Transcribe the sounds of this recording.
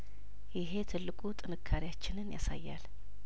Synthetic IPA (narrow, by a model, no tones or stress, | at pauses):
jɪɦe̞t̪ʰɨlːɨkʼut̪ʼɨnɨkʰːaɾijat͡ʃːɪnɨnja̰sa̰jːal